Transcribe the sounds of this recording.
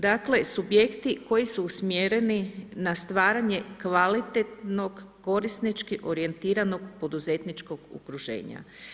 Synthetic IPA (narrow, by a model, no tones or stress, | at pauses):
d̪akle̞subje̞kt̪iko̞jisuːsmjeɾe̞ninast̪ʋaːɾaɲe̞kʋalit̪et̪no̞ɡːo̞ɾisnit͡ʃkiʔo̞ɾie̞nt̪iːɾano̞ɡpo̞d̪uzet̪nit͡ʃko̞ɡṵkɾuʒe̞̰ːɲa̰